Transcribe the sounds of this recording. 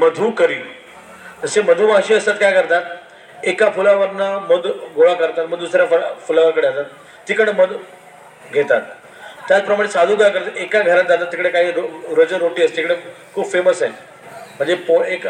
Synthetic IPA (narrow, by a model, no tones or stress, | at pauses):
məd̪ʱuːkəɾiː | t̪əseməd̪ʱuːʋãŋɕiːəst̪at̪kajkəɾt̪at̪ | ekapulaʋəɾnaməd̪ɡʱoɭakəɾt̪at̪məɡ̚d̪usɾjafpulaʋəɾkəɽeat̪at̪ː | iːkəɽməd̪ | ɡʱet̪at̪ː | jat͡spɾəmaɽ̃esad̪ʱũːkajkəɾt̪ekaɡʱəɾãnd͡zat̪at̪ːikɽekaɦiːɾɾəd͡zəɾoʈiːəst̪iikɽekʰuːbfeməsaj | m̤ə̃ɳd͡zepoek